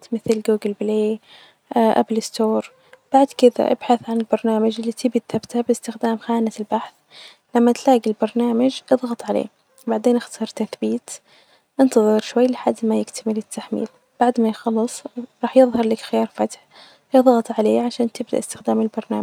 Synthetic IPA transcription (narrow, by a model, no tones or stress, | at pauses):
t̪mɪθlɡuːɡɪlbleː | ʔa̰blɪst̪oːɾˤ | b̥aʕd̪kɪða̰ʔɪ̰b̥ħaθʕanɪlbɑɾˤnaːmad͡ʒɪlːit̪ʰɪbit̪θabt̪habɪst̪ɪxd̪aːmxaːnalbaħθ | lamːat̪laːɡilbɑɾˤnaːmad͡ʒʔɨðˤɣɑt̪ˤʕalḛː | baʕd̪eːnʔɪxt̪ɑsɑːɾˤt̪aθbiːt̪ | ʔɪnt̪ɑðˤɨɾʃwajːlɪħad̪ːmajɪkt̪ʰamɪlɪt̪ʰːaħmḭːl | b̥aʕd̪majxɑlːɨsˤɾˤɑːħjɨðˤhɑɾˤlaːkxɪjɑːɾˤfat̪ħ | jɨðˤɣɑt̪ˤʕaleːʕaʃaːnt̪ɪb̚d̪a̰ʔɪst̪ɪxd̪aːmɪlbɑɾˤnaː